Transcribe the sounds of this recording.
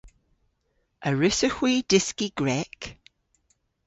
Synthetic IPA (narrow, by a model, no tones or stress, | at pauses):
əɹʉsəxwiːdɪskiɡ̥ɹɛk